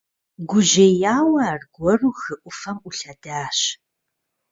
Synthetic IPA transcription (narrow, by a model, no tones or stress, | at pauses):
ɡʷʊʒɐjaːwɐaːrɡʷɔruxɨʔʷʊfɐmʔʊɬɐd̥aːɕ